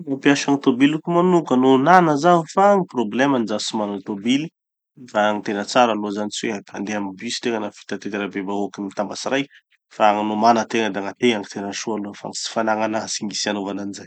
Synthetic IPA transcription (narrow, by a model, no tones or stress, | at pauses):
nopiaʃaŋit̪obilukumanukənonanəzavifaŋiproblɛmanizasimant̪obili̥ | faaŋit̪enət͡saɾalozanit͡siweapʰand̪eamibysi̥t̪eŋənafi̥t̪at̪et̪iɾabebaokimmit̪ambasiɾaj | faŋnomanət̪eŋəd̪eaŋat̪eaŋit̪enəʃualofa̰ŋit͡si̥fanaŋanasiŋɡisianovananizaj